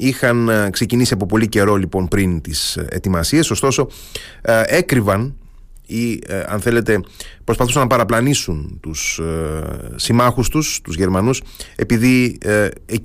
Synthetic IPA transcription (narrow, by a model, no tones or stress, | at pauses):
ixɐnkse̞cinisiɐpo̞po̞lice̞ɾo̞lipo̞npɾint̪isḛt̪imɐsie̞so̞st̪o̞so̞ | e̞kɾivɐn | iɐ̰nθe̞le̞t̪e̞pɾo̞spɐθusɐnːɐpɐɾɐplɐnisunt̪us | imɐxust̪ust̪uzʝe̞ɾmɐnuse̞̰piði | e